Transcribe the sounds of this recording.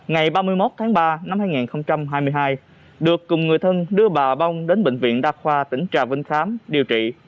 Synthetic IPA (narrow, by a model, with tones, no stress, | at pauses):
ŋa˨˩jɓaː˧mɨ˧əjmo˦˥t̚t̪ʰaː˨˦ŋɓaː˧na˧mhaː˧jŋi˨˩nxə˧wŋ͡mt͡ɕa˧mɦaː˧jmɨ˧əjɦaː˧j | ɗɨ˨˩əkːʊ˨˩ŋ͡mŋɨ˨˩əjt̪ʰə˧nɗɨ˧əɓaː˨˩ɓa˧wŋ͡mɗe˨˦nɓḛ̈˧˨ŋ̟vḭ˧˨ənɗaː˧xwaː˧t̪ï˧˩ŋ̟t͡ɕa̰ː˧˨˩vï˧ŋxaː˨˦mɗi˨˩əwt͡ɕḭ˧˨